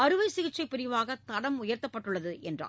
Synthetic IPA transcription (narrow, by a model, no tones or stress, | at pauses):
ɐɾɯʋɐɪsɪɣɪt͡ʃːɐɪpːɪɾɪʋaːɣɐt̪ɐɽɐmʊjɐɾt̪ɐpːɐʈːɯɭːɐðɯʔɛndra̰ː